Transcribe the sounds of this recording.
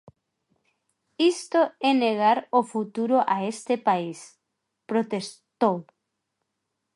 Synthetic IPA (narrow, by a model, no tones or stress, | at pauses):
ist̪oɛneɣ̞aɾofut̪uɾoʔaest̪epais | pɾot̪est̪ow